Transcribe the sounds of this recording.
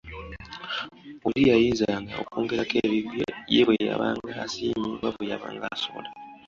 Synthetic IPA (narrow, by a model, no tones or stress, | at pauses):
ulijajiːnzaŋɡaokoːŋɡeɾakeβiβjeβweja̰βaːŋɡaːsiːmiβaβwejaβa̰ːŋɡasola